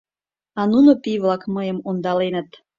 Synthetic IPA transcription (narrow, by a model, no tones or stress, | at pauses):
ɑnunopiβlɑkməjəmond̪ɑlenət̪